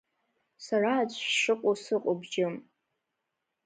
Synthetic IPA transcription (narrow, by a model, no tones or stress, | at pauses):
saraːt͡ɕʷʰʼʂɨqʷʼosɨqʼobd͡ʒɪm